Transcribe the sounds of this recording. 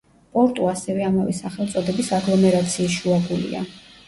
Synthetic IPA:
pʼɔɾt̪ʼuasɛvɛamavɛsaχɛlˠt̪sʼɔd̪ɛbisaɡlˠɔmɛɾat̪sʰiːsʃuabulḭa̰

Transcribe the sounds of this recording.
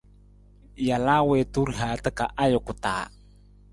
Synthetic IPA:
jalawetuɾɦat̪əkaʔajokut̪a̰

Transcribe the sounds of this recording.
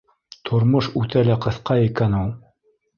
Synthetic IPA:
t̪ʰŏɾmoʃʉt̪ælæqɤ̆θqɑikænulˠ

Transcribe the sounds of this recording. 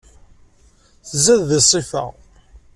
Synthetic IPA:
θəzːæððisˤːifə̰ʁ

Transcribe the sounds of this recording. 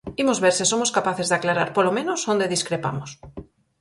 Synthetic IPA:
imʊzβeɾsisomʊskapaθezðaklaɾaɾpolomẽnosond̪eðiskɾepa̰mʊs

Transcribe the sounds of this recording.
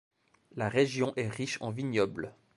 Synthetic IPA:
laʁeʒjɔ̃ʔɛʁiʃɑ̃viɲɔbl

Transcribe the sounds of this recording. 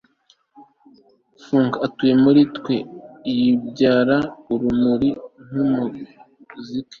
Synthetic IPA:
fuːŋkaatuje̞muɾitwe̞ijibɟaːɾauɾumuɾin̥humu | kuzike̥

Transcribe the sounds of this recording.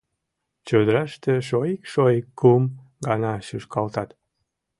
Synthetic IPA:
t͡ɕød̪əɾɑʃt̪eʃoikʃojkːum | ɡɑnɑʃyʃkɑlt̪ɑt̪

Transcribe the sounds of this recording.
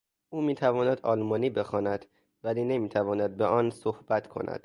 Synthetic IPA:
ʔuːmiːt̪ʰævɒːnæd̪ɒːlmɒːniːbe̞xɒːnæd̪̥ | væliːne̞miːt̪ʰævɒːnæd̪̚beɒnsohb̥æt̪ʰkʰo̞̰nʔæ̰d̪̥

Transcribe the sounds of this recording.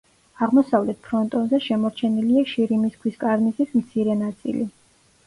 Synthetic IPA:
aʁmɔsavlɛt̪̚ʰpʰɾɔnt̪ʼɔnzɛʃɛmɔɾt͡ʃʰɛniliaʃiɾimiskʰwiskʼaɾmizismt̪sʰiɾɛnat̪sʼḭli

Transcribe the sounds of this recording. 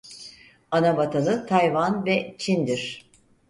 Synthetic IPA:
anabat̪ʰanɯt̪ʰajvanvɛt͡ʃʰind̪iɾ̝̥

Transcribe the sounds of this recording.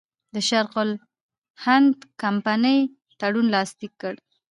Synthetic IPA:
d̪əʃaɾqʊl | hand̪kampanəj | t̪aɽunlɑst̪ikːəɽ

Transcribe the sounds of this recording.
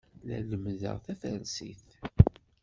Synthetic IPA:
læləmðə̰ʁθæfænsḭθ

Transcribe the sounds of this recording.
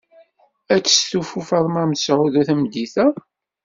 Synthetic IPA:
æt͡sːsθufufəɾˤmæmsʕuðæθæmd̪iθæ

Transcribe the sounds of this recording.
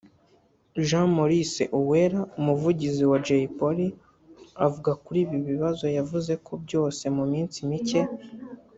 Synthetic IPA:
ʒãmoɾisḛʔuweɾaumuvuɟiziwad͡ʒeipoɾi | avuɡakuɾiːbjiβiβazo̞javuze̞kʰo̞bɟo̞ːse̞mumiːnt͡simice̞

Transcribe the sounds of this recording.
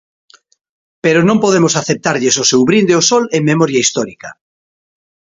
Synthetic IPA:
peɾonõmpoðemosaθep̚t̪aɾʎesosewβɾind̪eosɔleŋmemɔɾjaist̪ɔɾika

